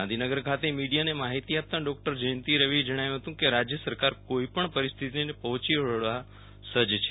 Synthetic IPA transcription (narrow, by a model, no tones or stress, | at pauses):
ãd̪ʱinəɡəɾkʰat̪emiɖijanemaɦit̪iap̚t̪aɖɔk̚ʈəɾd͡ʒəjə̃nt̪iɾəʋid͡ʒəɽ̃ajũɦət̪ũkeɾad͡ʒjəsəɾkaɾkoipəɳpəɾist̪ʰit̪inepəɦɔ̃t͡ʃiəɭʋa | səd͡ʒt͡ʃʰe